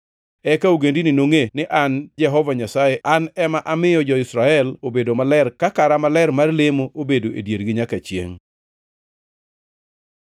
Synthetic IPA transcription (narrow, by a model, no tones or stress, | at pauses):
ɛkauɡendinɪnoŋenɪʔand͡ʒɛɦɔvaɲasajeʔanɛmaʔamɪjɔd͡ʒɔɪsɾaɛlobedomalɛrkakaɾamalɛrmarlemoʔobedoʔedjerɡɪɲakat͡ʃjḛŋ